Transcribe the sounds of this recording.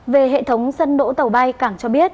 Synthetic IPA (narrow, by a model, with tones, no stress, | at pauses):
ve˨˩ɦḛ˧˨t̪ʰə˨˦wŋ͡msə˧nɗo̰˧˥t̪ə˨˩wɓa˧jkaː˧˩ŋt͡ɕɔ˧ɓi˦˥ət̚